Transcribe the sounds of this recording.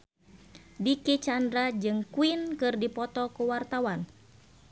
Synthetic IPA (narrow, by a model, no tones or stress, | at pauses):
dikit͡ʃandɾad͡ʒɨŋkuinkɨrdipɔt̪ɔkuwart̪awan